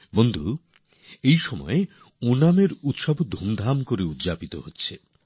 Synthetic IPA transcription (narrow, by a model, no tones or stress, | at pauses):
bond̪ʱu | ejʃɔmɔ̰e | onameɾut̪ʃabod̪ʱumd̪ʱamkoɾeut̪ːd͡ʑapit̪o̰ɦotːɕʰe